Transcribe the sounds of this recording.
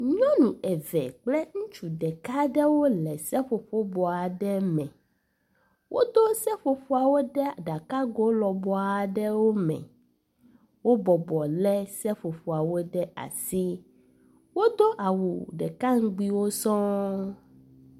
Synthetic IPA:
ɲɔ̃˦nũ˨ɛ˨vɛ̰˨k͡plɛ˦ŋũ˦t͡ʃu˨ɖɛ˨ka˦ɖɛ˦wo˦lɛ˨sɛ˦ɸo˨ɸo˦bɔ˨a˨ɖɛ˦mɛ̰̃˨ | wʔo˦d̪o˦sɛ˦ɸo˨ɸo˦a˨wo˦ɖɛ˦a˨ɖa˨ka˦ɡo˦lɔ˨bɔ˦a˨ɖɛ˦wo˦mɛ̰̃˨ | wo˦bɔ˨bɔ˨lɛ˦sɛ˦ɸo˨ɸo˨a˨wo˦ɖɛ˦a̰˨si˦ | wo˦d̪o˦ʔa˨wu˨ɖɛ˨ka˦ŋ̩˦ɡ͡bi˦wo˦sɔ̃˦

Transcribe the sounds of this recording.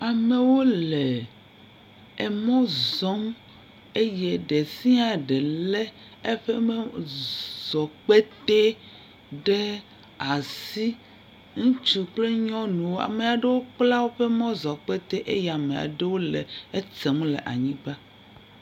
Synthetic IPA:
a˨me˨wo˦le˨ | ɛ˨mɔ̃˦zɔ˦m | e˦je˦ɖe˨si˦ã˨ɖe˨lɛ˦ | e˦ɸe˦me˦ | zɔ˨k͡pe˦t̪e˦ | ɖe˦ | a˨si˦ | ŋũ˦t͡ʃu˨k͡ple˦ɲɔ̃˦nũ˨wo˦a̰˨me˨a˨ɖe˦wo˦k͡pla˦wo˦ɸe˦mɔ̃˦zɔ˨k͡pe˦t̪e˦ʔe˦ja˨mẽ˨a̰˨ɖe˦wo˦lḛ˨e˦t͡se˨m˦lḛ˨ʔa̰˨ɲĩ˦k͡pa˦

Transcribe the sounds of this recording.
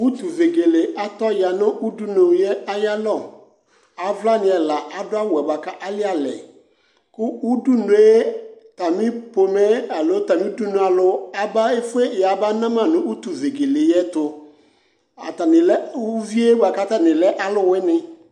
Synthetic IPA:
u˦tu˨ve˨ɡe˨le˨a˨tɔ˦ja˨nʊ̃˦ʔu˦du˦no˨˦jɛ˦a˦ja˦lɔ˦˨ | a˨vla˦nɪ̃˨ɛ˨la˨ʔa˨dʊ˦a˦wɛ˨ba˨ka˦ʔa˦lɪ˦a˨lɛ̰˨ | kʊ˦u˦du˦nʊ˨˦e˦ta˨mɪ˦po˨mɛ˦a˨lo˨˦ta˨mĩ˦u˦du˦nu˨a˨lʊ˨a˨ba˦e˦fʊ˦e˦˨a˨˦ba˦nã˦mã˨nʊ̃˨u˦tu˨ve˨ɡe˨lɪ˨jɛ˦tʊ˨ | a̰˨ta˨nɪ˨lɛ˦vi˦e˦ba˨ka˨˦ta˦˨nɪ̃˨lɛ˦ʔa˦lʊ˦wɪ˦nɪ̃˦

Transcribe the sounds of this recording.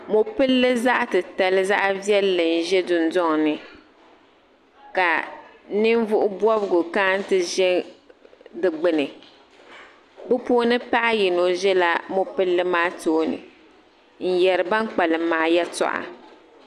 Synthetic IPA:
mo˨pɨ˦lːɨ˦za˦ʔtɨ˨ta˨lɨ˦za˦ʔvi˦ɛ˦lːɨ˨n̩˦˨ʒɛ˦dʊ˨n˦dɔ˦ŋ˨nɨ˨ | ka˨˦ | nɨ˦ɱ˦vʊ˦ʔʊ˦bɔ˦bɨ˦ɡʊ˨ka˦n˦tɨ˦ʒɛ˦ŋ | dɨ˨ɡ͡bɨ˦nɨ˨ | bɨ˦poː˦nɨ˦pa˦ʔa˦ji˨no˨ʒɛ˦la˦mo˦pɨ˦lːɨ˦maː˦toː˦nɨ̰˨ | n̩˦jɛ˨ɾɨ˨ba˦ŋ˦k͡pa˨lɨ˨maː˦jɛ˦tɔ̰˨ʔa̰˨

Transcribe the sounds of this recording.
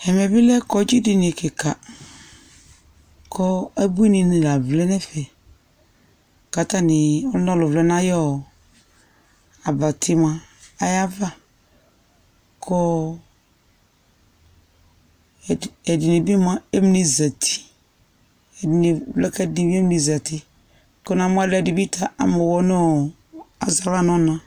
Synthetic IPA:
hɛ˨mɛ˨bi˦lɛ˦kɔ˦d͡ʒi˦di˨ni˨ke˨kʰa˨ | kʰɔ˦ɛ˦bu˦i˦nĩ˨nĩ˨la˨vlɛ˦nɛ˦fɛ˨ | ka˨t̪a˦nɪ̃˨ɔ˦lɔ̃˦˨lʊ˨vlɛ˦nã˦jɔ˦˨ | a˨ba˨t̪ʰi˦mã˨a˨ja˦va˦ | kʰɔ˦˨ | ɛ˨di˨ne˨bi˦mã˨˦e˦m˨ni˨za˨tʰi̥˦˨ | n˨vlɛ˦kɛ˦˨di˨bi˦e˦m˦ni˨za˨tɪ˦ | kɔ˦na˨m˦a˦lɛ˦˨di˨bi˦tʰa˨ʔa̰˨mɔ˨wɔ˨nɔ˦ | a̰˨za˨la˦˨nɔ˦nã˨

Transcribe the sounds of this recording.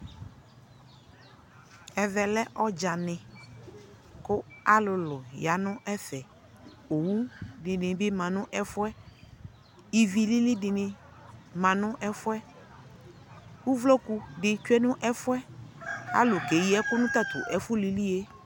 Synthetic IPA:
ɛ˨vɛ˨lɛ˦ʔɔ˦d͡ʒa˨nɪ̃˨ | kʊ˦a˦lʊ˨lʊ˨ja˨nʊ̃˦ʔɛ˦fɛ˨ | o˨wu˦dɪ˨nɪ̃˨bɪ˦mã˨nʊ̃˦ʔɛ˦fʊ˦ɛ˦ | i˨vi˦lɪ˦lɪ˦dɪ˨nɪ̃˨ | mã˨nʊ̃˦ʔɛ˦fʊ˦ɛ˦ | wu˦vlɔ˦ku˦dɪ˨t͡ʃʊ˦ɛ˦nʊ̃˦ʔɛ˦fʊ˦ɛ˦a̰˦lʊ˨ke˨ji˦ɛ˦kʊ˦nʊ̃˦t̪a˦˨t̪ʊ̰˨ʔɛ˨fʊ˦li˨li˦e˦

